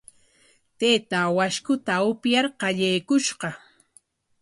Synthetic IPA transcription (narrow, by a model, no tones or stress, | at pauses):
t̪et̪awaʃkʊt̪aʊpjaɾqɑʎejkʊʃɢɑ